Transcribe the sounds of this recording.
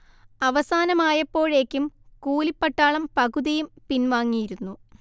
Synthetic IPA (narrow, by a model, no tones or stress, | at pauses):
ɐʋɐsaːnɐmaːjɐpːo̞ːɻe̞ːkʲːumkuːlipːɐʈːaːɭɐmpɐɣuðijumpinʋaːŋːijiɾunːu